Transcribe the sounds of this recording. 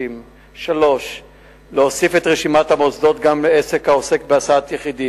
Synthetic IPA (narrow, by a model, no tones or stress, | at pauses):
im | ʃalo̞ʃ | leosife̞t̪ʁeʃimat̪hamozdo̞t̪ɡamleese̞khaose̞kbeasaat̪jeχid̪i